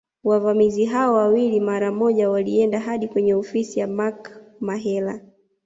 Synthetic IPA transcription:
wavamiziɦaɔwawilimaɾamɔʄawaliɛndaɦaɗikwɛɲɛɔfisijamakmaɦɛla

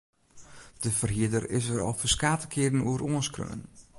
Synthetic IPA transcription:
d̥əvərɦiədərɪ̰s̬əɾɔ̰lˠfəskaːtə̥kʰɪədən̩uəɾoənskrø̰ːə̰n

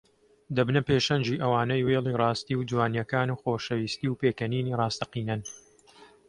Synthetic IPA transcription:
d̪ɐbnɐpeːʃɐnd͡ʒiːʔɐwaːnɐjweːlˠiːrɑːst̪iːwd͡ʒwaːnjɐkaːnuːxoːʃɐwiːst̪iːwpeːkɐniːniːrɑːst̪ɐqiːnɐn

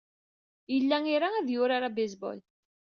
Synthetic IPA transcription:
jəlːæŋiɾaæðjʊɾaɾabezbɔ̰l

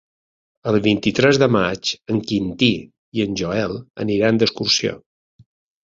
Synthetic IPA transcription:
əlˠβint̪it̪ɾɛzðəmat͡ʃəŋkint̪i | iənʲʒoɛlˠə̰niɾand̪əskursio̰

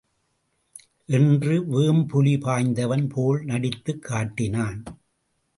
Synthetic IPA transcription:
ʔɛndrɯʋeːmpʊlipaːɲd̪ɐʋɐnpʰoːlnɐɽɪt̪ːɯkʰːaːʈːɪnaːn

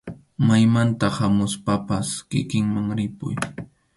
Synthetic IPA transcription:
majmant̪ahamʊspapaskɪ̰kɪŋmaŋɾɪpʊ̰j

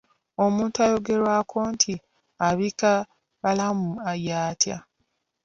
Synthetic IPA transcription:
o̞muːntuajo̞ɡe̞ɾwakʰo̞ntʰi | aβika | βalamuajaːtʰja̰

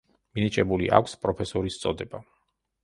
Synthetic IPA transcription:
minit͡ʃʼɛbuliʔa̰kʰʷspʼɾɔpʰɛsɔɾist̪sʼɔd̪ɛba

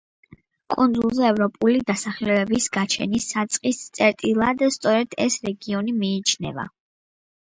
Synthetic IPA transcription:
kʼund̪zulˠzɛɛvɾɔpʼulid̪asaχlɛɛbisɡ̥at͡ʃʰɛ̰nisat̪sʼqʼist̪sʼɛɾt̪ʼilˠad̪st̪sʼɔɾɛd̪̥ɛ̰sɾɛɡiɔnimiːt͡ʃʰnɛ̰va̰

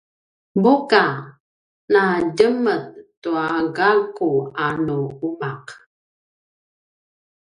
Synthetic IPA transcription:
buka | nadəməðtuaɡalkuanuumaq

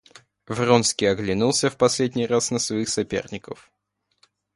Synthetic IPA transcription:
vronskʲɪjɐɡlʲɪnulˠsʲəfpɐsʲlʲedʲnʲijrasnəsvɐixsɐpʲḛrnʲɪkəf

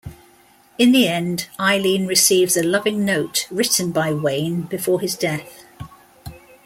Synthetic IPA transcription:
ɪ̃nðiɛ̃ndaɪlĩnɹɪsiːvzəlʌvɪ̃ŋnəʊtɹɪʔn̩baɪwẽɪ̃nb̥ɪfɔːɪzdɛθ

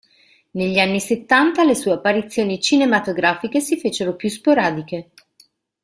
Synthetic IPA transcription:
neʎːianːiset̪ːant̪alesuːeapːaɾit̪sːjoːnit͡ʃinemat̪oɡɾaːfikesifeːt͡ʃeɾopjus̬poɾaːd̪ik̟e

